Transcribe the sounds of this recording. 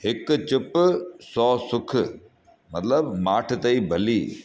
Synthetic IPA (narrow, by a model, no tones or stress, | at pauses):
ɦɪkt͡ɕʊpsɔːsʊkʰ | mɐt̪ləbmaːʈʰt̪ɐibʱɐliː